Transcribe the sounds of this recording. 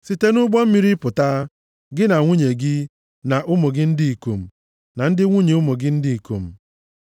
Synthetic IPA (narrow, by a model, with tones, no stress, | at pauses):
si˨te˦nʊ˦ɡ͡bɔ˦m̩˦mi˦ɾi˦pʊ˨ta˦ | ɡɪ˦na˨ŋʷu˦ɲe˨ɡɪ˦ | na˨ʔʊ˦mo˨ɡɪ˦n̩˦di˦i˨ko˨m̩˨ | na˨n̩˦dɪ˦ŋʷu˦ɲe˨ʊ˦mo˨ɡɪ˦n̩˦di˦i˨ko̰˨m̩˨